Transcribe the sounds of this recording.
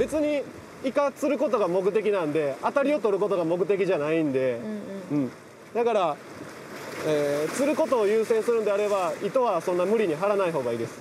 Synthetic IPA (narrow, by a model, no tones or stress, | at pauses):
be̞t͡sɨɲ̟i | ikat͡sɨɾɯ̟ko̞t̪o̞ɡamo̞k̬ɯ̟t̪e̞k̬ʲinãnd̪e̞at̪aɾʲio̞t̪o̞ɾɯ̟ko̞t̪o̞ɡamo̞k̬ɯ̟t̪̬e̞kʲiʑanaĩnd̪e̞ɯ̟̃ː | d̪akaɾa | eːt͡sɨɾɯ̟ko̞t̪o̞ːjɯːsẽ̞ɰ̃sɨɾɯ̃nd̪e̞aɾe̞βait̪o̞βasõ̞nːamɯ̟ɾʲiɲ̟iɦaɾanaiɦo̞ːɡaiːd̪e̞sɨ̥